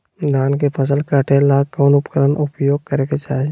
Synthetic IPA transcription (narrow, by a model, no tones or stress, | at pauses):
d̪aːnkepʰəs̬əlkəʈʰelaːkɔːnʊpkəɾənʔʊpjoːɡ̚kəɾeket͡ʃaːɦe